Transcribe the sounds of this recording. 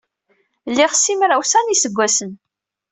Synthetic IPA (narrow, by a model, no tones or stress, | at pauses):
lːiʁsːimɾæwsænisəɡʷːæsən